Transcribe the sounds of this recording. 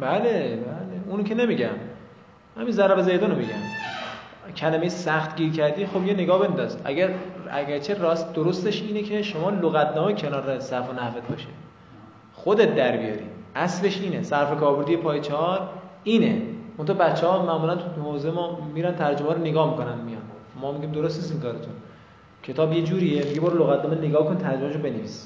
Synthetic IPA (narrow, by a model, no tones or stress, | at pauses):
bælebæleuncʰenemiɟæm | hæminzæɾæbezejd̪onomiɟæ̰m | cʰælæmejesæxt̪ɟʲiːɾcʰæɾd̪iːxobjene̞ɡɒːbe̞nd̪ɒzʔæ̰ɡæɾæ̰ɡæɾt͡ʃʰeɾɒːsd̪oɾost̪eʃiːnecʰe̞ʃomɒːloɣæt̪ʰnɒːmecʰe̞nɒːɾesæɾfonæhvet̪̚bɒ̰ːʃed̪ | xod̪et̪̚ʰd̪æɾbijɒ̰ːɾḭːæsle̞ʃiːnesæɾfe̞kʰɒːɾboɾd̪ijepʰɒːjet͡ʃʰeɒɾiːnemont̪ʰɒːbæt̪t͡ʃːehɒːmæʔmuːlænt̪ʰuhoːzemɒːmiːɾænt̪ʰæɾd͡ʒomæɾoneɡɒːhmiko̞nænd̪mijɒ̰nmɒːmiɟʲiːmd̪oɾost̪nis̬iŋkɒːɾet̪ʰun | cʰe̞t̪ʰɒːbje̞d͡ʒuːɾiemijɡebɒːɾloɣæt̪nɒːmeneɡɒːkʰonit̪ʰæɾd͡ʒomæʃ̬obe̞nevis